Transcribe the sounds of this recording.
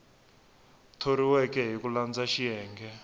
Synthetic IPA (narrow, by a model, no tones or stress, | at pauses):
tʰoɾiwɛkɛɦikuland͡zaʃiɛːŋɡɛ